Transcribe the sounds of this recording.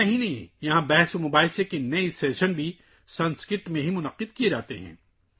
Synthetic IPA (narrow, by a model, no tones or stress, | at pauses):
ɐɦinɐɦĩjɐɦãbɛɦsomʊːbaːɪsekenɐiseːʃənbʱi | sɐnskɪʈmẽɦimʊnəqːɪd̪kied͡ʒaːt̪eɦɛ̰̃ː